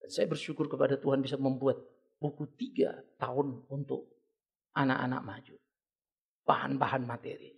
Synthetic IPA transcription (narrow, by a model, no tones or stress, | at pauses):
sajabərʃukʊrkəpadat̪uɦanbisaməmbuat̪̚ | bukut̪iɡa̰t̪aʊnunt̪ʊ̰k̚ | ʔana̰ʔa̰na̰k̚mad͡ʒu | b̥aha̰nbaɦanmat̪ɛ̰ɾḭ